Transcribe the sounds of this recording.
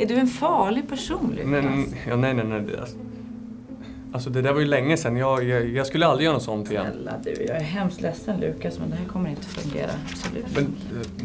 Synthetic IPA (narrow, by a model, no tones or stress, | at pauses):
æɖɵɛnfɑːɭɪɡ̚pʰæʂuːnlɪ̰nɛjɑnɛjnɛnɛd̪ɛ̰ | alsɔd̪ɛd̪æɾvajɵlɛŋːəsɛnːjɑjɑjɑɡskɵlːəalɾɪjœːɾnɔsɔnt̪ʰɪɛɛ̰lːa̰d̪ʉ̰jɑ̰ːɡæɾɦɛmst̪lɛsːənlʉ̟ːkasmɛnd̪ɛɦæːɾkʰɔmːəɾɪnt̪əfɵ̰ŋɡḛːɾa̰b̥sɔlʉ̟̰ːtmɛn